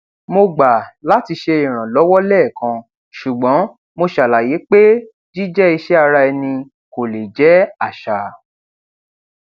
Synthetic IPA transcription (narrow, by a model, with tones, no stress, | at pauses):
mo˧ɡ͡ba˨la˨˦ti˧ʃe˧i˨ɾ̃ã˨lɔ˨˦wɔ˦lɛː˦˨kã˧ | ʃu˨ɡ͡bɔ̃˨˦ | mo˧ʃa˨la˨je˨˦k͡pe˦ | d͡ʒi˦d͡ʒɛ˦i˧ʃɛ˦a˧ɾa˧ɛ˧nĩ˧ | ko˨le˨d͡ʒɛ˨˦a˦˨ʃa˨